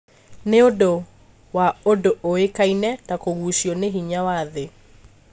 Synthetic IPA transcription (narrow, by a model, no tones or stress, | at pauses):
neodo | waodoʔoekainɛtakoɣuʃjɔneɦiɲawaðe